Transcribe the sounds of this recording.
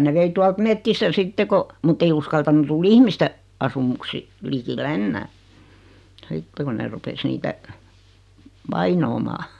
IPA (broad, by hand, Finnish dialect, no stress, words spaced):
ne ʋei tuɑlt metːistæ sitːe ko mutː ei uskɑltɑnu tul ihmiste ɑsumuksi likilːe enːæː sitːe kun ne rupes niːtæ ʋɑinoːmɑː